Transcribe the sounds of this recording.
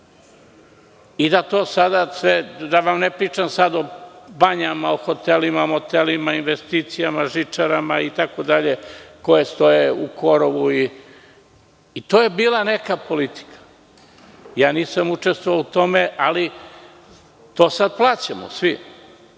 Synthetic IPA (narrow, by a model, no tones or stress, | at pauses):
id̪at̪o̞ːsad̪asʋed̪aʋamnepɾiːt͡ʃamsad̪o̞baɲamaoxo̞t̪elimamo̞t̪elimainʋe̞st̪iːt̪sijamaʒit͡ʃaɾamait̪ako̞d̪aʎeko̞je̞st̪o̞jeuko̞ɾoʋui | t̪oːje̞biːlˠane̞kapo̞lit̪i̥kʰḁ | jaːniːsamut͡ʂest̪vʋoʋaut̪o̞meʔali | t̪o̞ːsad̪̚plˠaːt͡ɕamo̰sʋi